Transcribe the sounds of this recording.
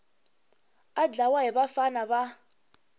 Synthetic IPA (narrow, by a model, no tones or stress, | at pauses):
ad͡ɮawaɦɪbafanaba